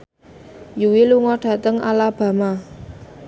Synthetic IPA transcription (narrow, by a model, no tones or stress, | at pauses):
juwiluŋɔɖ̥ä̤t̪əŋa̰lab̥ä̤ma